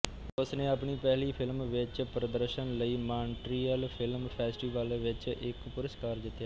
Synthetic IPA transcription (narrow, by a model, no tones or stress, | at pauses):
ʊsnẽːəpɳiːpɛːliːpʰɪlmʋɪt͡ʃpɾəd̪əɾʃənləiːmãːɳʈɾiːəlpʰɪlmpʰɛːsʈiːʋəlʋɪt͡ʃɪkpʊɾəskaːɾd̪ɪt̪ːjaː